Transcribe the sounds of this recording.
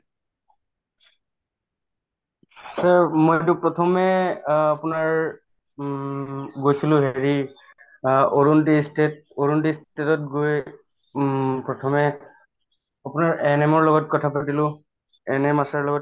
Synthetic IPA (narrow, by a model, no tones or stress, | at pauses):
samojtʊpɹɔtʰɔmɛapʊnaɹ | ɡojsilʊ̃ɦeɹi | oɹuntistet̚oɹuntistetɔt̚ɡoj | pɹɔtʰɔmɛ | apʊnaɹʔɛnɛmɔɹlɔɡɔt̚kɔtʰapatilʊ̃ | ɛnɛmasaɹlɔɡɔt